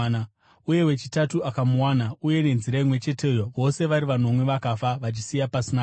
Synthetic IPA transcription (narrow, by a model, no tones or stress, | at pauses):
uje̞we̞t͡ʃitatuakamuwanauje̞ne̞nziɾaimwe̞t͡ʃe̞te̞ːjoʋo̞se̞ʋaɾiʋano̞mwe̞ʋakafaʋat͡ʃisijapasina